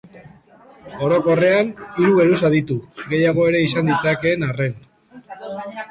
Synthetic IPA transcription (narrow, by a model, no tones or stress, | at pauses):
o̞ɾo̞ko̞re̞aniɾuɣe̞ɾus̬aðit̪uɡe̞jaɣ̞o̞e̞ɾe̞isand̪it͡sake̞ːnare̞n